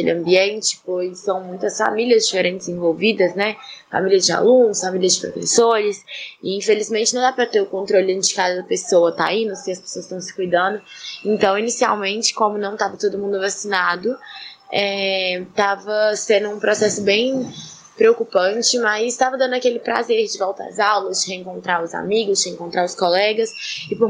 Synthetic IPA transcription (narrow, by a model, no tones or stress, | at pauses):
elɪɐ̃mbiẽnt͡ʃɪ̥pojsɐ̃w̃mũj̃t̪ɐsfa̰miliɐzd͡ʒifeɾʔẽnt͡ʃɪzẽvowvid̪ɐsnɛfa̰miliɐd͡ʒɪa̰lũnʊsfamiliɐzd͡ʒɪpɾo̰fḛsoɾɪsɪĩfelizmẽntt͡ʃɪnɐ̃w̃d̪apɾɐt̪eɾʊkõnt̪ɾolɪʊẽnt͡ʃd͡ʒɪ̥kazɐd̪ɐpesowɐt̪a̰ĩnʊsɪ̃ɐspe̥soɐst̪ɐ̃w̃sɪ̥kujd̪ɐ̃nd̪ʊẽnt̪ɐ̃w̃inisia̰wmẽnt͡ʃɪ̥kõmʊnɐ̃w̃t̪avɐt̪od̪ʊmũnd̪ʊvasinad̪ʊɛt̪avɐsẽnd̪ʊũpɾɔsɛsʊbẽj̃ | pɾeokupɐ̃t͡ʃɪmɐzɪst̪avɐd̪ɐ̃ndʊakelɪpɾa̰zeɾd͡ʒɪvɔwt̪ɐɐ̰zawlɐzd͡ʒɪheẽŋkõnt̪ɾaɾʊza̰miɡʊzd͡ʒɪhẽŋkõnt̪ɾaɾʊskɔlɛɡɐsɪpʊ